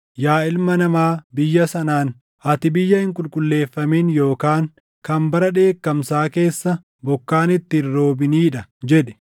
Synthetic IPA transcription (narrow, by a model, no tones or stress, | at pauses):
jaːɪlmɐnɐmaːbɪjːɐsɐnaːn | hɐt̪ɪbɪjːɐhɪŋkʼʊlkʼʊlːe̞ːfːɐmiːnjo̞ːkaːŋ | kɐmbɐɾɐᶑe̞ːkːɐmsaːke̞ːsːɐ | bɔkːaːnɪt̪ːɪrːo̞ːbɪniːᶑɐd͡ʒɛᶑɛ̥